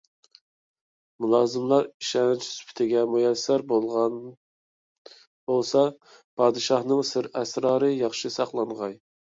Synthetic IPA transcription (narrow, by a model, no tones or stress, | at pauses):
mulˠɑːzɨmlˠɑɾiʃɛnt͡ʃʰspʰɪ̥t̪ʰɪɡʲɛmujɛsːæɾbolˠʁɑn | bolˠsɑ | pʰɑːd̪ɨʃɑhnɨŋsɪɾæsɾɑːɾɨjɑχʃɨsɑχlˠɑɴʁɑj